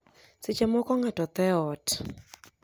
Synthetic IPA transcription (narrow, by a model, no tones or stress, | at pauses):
sɪt͡ʃɛmɔkɔŋatɔt̪ɛɔt